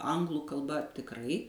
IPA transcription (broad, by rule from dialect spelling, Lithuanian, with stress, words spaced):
ˈɐŋɡlˠʊ kɐlˠˈbɐ tʲɪkˈrɐɪ